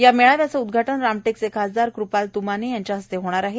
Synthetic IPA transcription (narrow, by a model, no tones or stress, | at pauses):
jameɭaʋjat͡səud̪ɡʱaʈəɳɾamʈeksekɦəd͡zd̪aɾkɾupalt̪umanejaɲt͡ɕjaɦəst̪eɦoɽ̃aɾaɦe